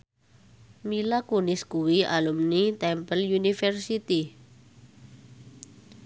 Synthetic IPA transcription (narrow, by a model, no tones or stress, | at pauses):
milakunɪskuwiʔa̰lumnit̪ɛmpəlunifɛrsit̪i